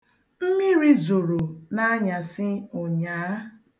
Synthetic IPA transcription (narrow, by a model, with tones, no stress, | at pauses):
m̩˦mi˦ɾi˦zo˨ɾo˨na˦a˦ɲa˨sɪ˦ʊ˨ɲaː˨˦